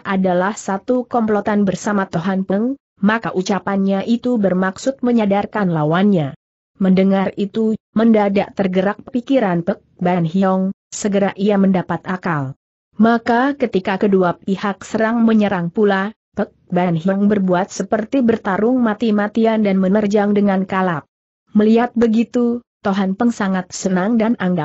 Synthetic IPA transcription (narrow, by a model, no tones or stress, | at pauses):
ʔadalahsat̪ukɔmplot̪anbərsamat̪oɦanpəŋ | makaʔut͡ʃapanɲaʔit̪ubərmaksʊt̪̚məɲadarkanlawanɲa | məndəŋarit̪u | məndadaʔt̪ərɡəɾak̚pəpikiɾanpək̚banɦiɔŋ | səɡəɾaʔiaməndapat̪ʔakal | makakət̪ikakəduapihak̚səɾaŋməɲəɾaŋpula | pək̚banɦiɔŋbərbuat̪̚səpərt̪ibərt̪aɾʊŋmat̪imat̪iandanmənərd͡ʒaŋdəŋankalap̚ | məliɦat̪̚bəɡit̪ut̪oɦanpəŋsaŋat̪̚sənaŋdanaŋɡa